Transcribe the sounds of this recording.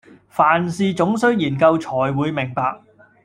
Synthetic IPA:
faː˨˩nsiː˧t͡sʊ˨˥ŋsɵ˥ɥjiː˨˩nkɐ˧wt͡ʃʰɔː˨˩jwuː˨˧jmɪ˨˩ŋpaː˧k̚

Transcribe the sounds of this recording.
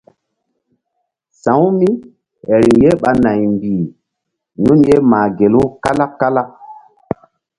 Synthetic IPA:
sã˨˦wmi˦ | he˨ɾi˨ŋje˦ɓa˨na˨jmbi˨ | nu˦nje˦maː˨ɡe˨lu˦ka˦la˦kːa˦la˦

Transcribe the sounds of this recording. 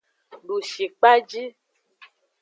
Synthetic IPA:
ɖu˨ʃi˨k͡pa˦d͡ʒi˦

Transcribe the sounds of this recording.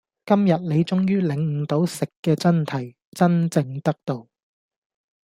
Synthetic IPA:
kɐ˥mjɐ˨t̚le˨˧jt͡sʊ˥ŋjyː˥lɪ˨ŋ̩˨˧t̪o˨˥wsɪ˨kːɛː˧t͡sɐ˥nt̪ʰɐ˨˩j | t͡sɐ˥nt͡sɪ˧ŋt̪ɐ˥k̚t̪o˨w

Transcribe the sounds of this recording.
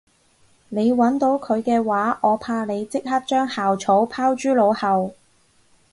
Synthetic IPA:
ne˨˧jwɐ˨˥nt̪o˨˥wkʰɵ˨˧ɥkɛː˧waː˨˥ʔɔː˨˧pʰaː˧ne˨˧jt͡sɪ˥k̚hɐ˥t̚t͡ʃœː˥ŋhaː˨wt͡ʃʰo˨˥wpʰaː˥wt͡ʃyː˥lo˨˧whɐ˨w

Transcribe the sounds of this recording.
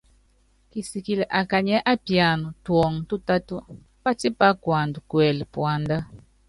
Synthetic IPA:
ki˨si˨ki˨lɛ˨ʔa˨ka˨ɲɛ˦ʔa˦pja˨nu˨twɔ˨ŋ˨tu˦ta˦tu˦ | pa˦ti˦pa˦kwa˨ndu˨kwɛ˨lpwa˨nda˦

